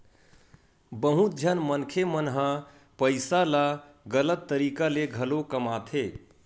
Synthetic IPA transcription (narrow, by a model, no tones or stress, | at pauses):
bəɦũt̪̚d͡ʒʱənmənkʰemənɦə̃ | pəɪsala | ɡələt̪ːəɾiːkaleɡʱəlokəmaːt̪ʰe